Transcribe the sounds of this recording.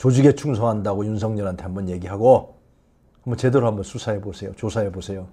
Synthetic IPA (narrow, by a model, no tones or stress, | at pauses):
t͡ɕod͡ʑuɡe̞t͡ɕʰuŋsʰʌɦandaɡojunsʰʌŋɲʌɾɦantʰe̞ɦambʌnje̞ɡiɦaɡo | hambʌnt͡ɕe̞deɾoambʌnsʰusʰaɦebosʰe̞jo̰t͡ɕosʰaɦebosʰe̞jo